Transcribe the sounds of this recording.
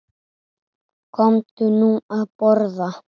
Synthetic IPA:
kʰɔmt̪ʉnũːapɔɾða

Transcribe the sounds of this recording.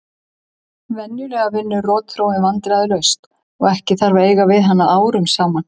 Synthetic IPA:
vɛnjʏlɛːɣavɪnːʏrɔːt̪θɾoːw̪ɪvant̪ɪlaðɪlœɥst̪ | ɔɣɛhcɪθaɾvaeːjɣavɪðɦanːaʔaːwɾʏmsaːman

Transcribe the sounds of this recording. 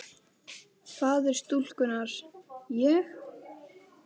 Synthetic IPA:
kʰvaːðɛɾ̥st̪ul̥kʏnaɾ̥jɛx

